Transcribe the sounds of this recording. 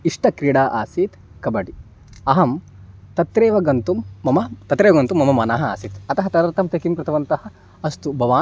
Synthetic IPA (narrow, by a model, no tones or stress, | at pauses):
iʂʈɐkɾiːɽaːʔaːsit̪ | kɐbɐɽi | ɐɦɐm | t̪ɐt̪ɾeːʋɐɡɐnt̪umːɐmɐt̪ɐt̪ɾeːʋɐɡɐnt̪umːɐmɐmɐnaːɦɐa̰ːsit̪ɐt̪ɐɦɐt̪ɐɾɐɾt̪ɐmt̪ekimkɾɨt̪ɐʋɐnt̪ɐɦɐ̆ | ɐst̪ubʱɐʋaː